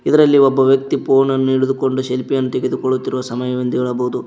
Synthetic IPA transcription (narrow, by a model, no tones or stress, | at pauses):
id̪ɐɾɐlːiɔbːɐʋjɐk̚t̪ipoːnɐnːuiɽud̪uko̞ɳɖuʃelpijɐnːut̪eɡed̪ukoɭːut̪ːiɾuʋɐsɐmɐjɐʋind̪ɐiɭɐboud̪u